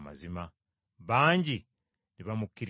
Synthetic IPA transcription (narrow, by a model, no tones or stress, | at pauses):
ma̰zima | βaːɲɟi | niβamukːiɾ